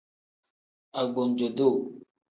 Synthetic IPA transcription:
a˨ɡ͡bo˨n˨d͡ʒo˨do˦˨

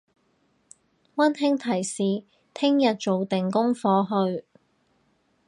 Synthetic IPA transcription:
wɐ˥nhɪ˥ŋt̪ʰɐ˨˩jsiː˨ | t̪ʰɪ˥ŋjɐ˨t̚t͡so˨wt̪ɪ˨ŋkʊ˥ŋfɔː˧ɦɵ˧ɥ

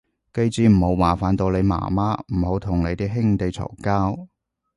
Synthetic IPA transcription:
ke˧jt͡siː˨˧m̩˨˩ho˨˧˥wwaː˨˩faː˨˥nt̪o˧wle˨˧jma̰ː˨˩maː˥m̩˨˩ho˨˧wt̪ʰʊ˨˩ŋne˨˧jt̪iː˥ɦɪ˥ŋt̪e˨jt͡sʰɔ̰˨˩kaː˥w

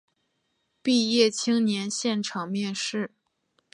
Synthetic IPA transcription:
pi˥˧jɛ˥˩t͡ɕʰi˥ŋnjɛ˧˥nɕjɛ˥˩nʈ͡ʂʰɑ˨˩ŋmjɛ˥˧nʂɻ̩˥˩

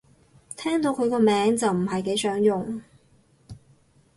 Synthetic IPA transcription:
t̪ʰɛː˥ŋt̪o˨˧wkʰɵ˨˧kɔː˧mɛː˨˧˥ŋt͡sɐ˨wm̩˨˩ɦɐ˨jke˨˥jsœː˨˥ŋjʊ˨ŋ

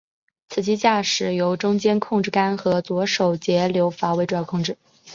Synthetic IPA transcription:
t͡sʰɹ̩˨˩t͡ɕi˥t͡ɕja˥˩ʂɻ̩˨˩jo˧˥ʊʈ͡ʂʊ˥ŋt͡ɕjɛ˥nkʰʊ˥˧ŋʈ͡ʂɻ̩˥˩ka˥nxɤ˧˥t͡swɔ˧˥ʂo˨˩ʊt͡ɕjɛ˧˥ljo˧˥ʊfa˧˥we˧˥ɪʈ͡ʂu˧˩jɑ˥˧kʰʊ˥˧ŋʈ͡ʂɻ̩˥˩

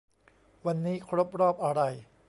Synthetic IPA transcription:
wa˧nːiː˦˥kʰɾo˦˥p̚ɾɔː˥˩p̚ʔa˧ɾa˧j

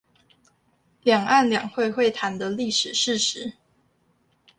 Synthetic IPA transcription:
ljɑ˨˩ŋa˥˨nljɑ˨˩ŋxwe˥˧ɪxwe˥˨ɪt̪ʰa˨˦nd̪ə˧li˥˩ʂɻ̩˨˩ʂɻ̩˥˨ʂɻ̩˨˦

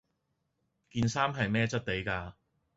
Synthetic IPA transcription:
kiː˧nsaː˥mɦɐ˨jmɛː˥t͡sɐ˥t̚t̪e˨˥jkaː˧

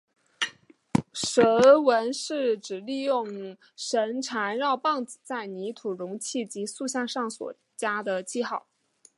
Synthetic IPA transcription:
ʂə˧˥wə˧˥nʂɻ̩˥˩ʈ͡ʂɻ̩˨˩li˥˧jʊ˥˩ŋ | ʂə˧˥nʈ͡ʂʰa˧˥nɻɑ˥˧ʊpɑ˥˧ŋt͡st͡sa˥˩ɪni˧˥t̪ʰu˨˩ɻʊ˧˥ŋt͡ɕʰi˥˩t͡ɕi˧˥su˥˧ɕjɑ˥˧ŋʂɑ˥˩ŋswɔ̰˨˩ | t͡ɕja˥d̪ə˨t͡ɕi˥˧xɑ˥˩ʊ

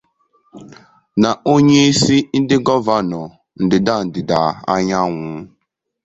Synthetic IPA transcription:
na˨o˦ɲe˦i˦si˦n̩˦dɪ˦ɡɔ˦va˦nɔ˨ | n̩˨dɪ˨da˦˨n̩˨dɪ˨da˨a̰˦ɲa˦ŋʷʊ˨˦

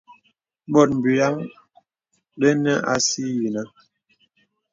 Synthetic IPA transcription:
ɓɔ˦˨t̚m̩˨bi˨ja˦ŋ | ɗɛ˦nɛ˦ʔa̰˨si˦ji˨na˦

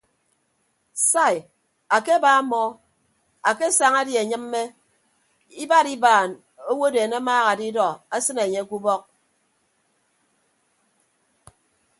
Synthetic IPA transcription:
sa˦˨i˨ | a˨ke˦ba˨˦mɔ˦ | a˨ke˦sa˨ŋa˦dje˨ɲɨ˦m̩ː˦e˦ | i˦ba˦ɾi˦baː˨n | o˦wo˦deː˨ne˦maː˦ɣa˨di˦dɔ˨a˦sɨ˦ne˨ɲe˦ku˦bɔ˦k̚

